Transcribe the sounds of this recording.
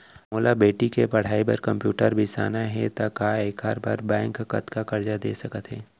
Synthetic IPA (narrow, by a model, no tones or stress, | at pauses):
moːlabeːʈikepɐɽ̤aːibɐɾkɐ̃mpjuːʈəɾbʱisa̰ːnaɦɛt̪akaːeːkaːɾba̰ɾbɛ̃ːŋkːɐ̰t̪kakɐɾd͡ʒad̪eːsɐkət̪ɦɛː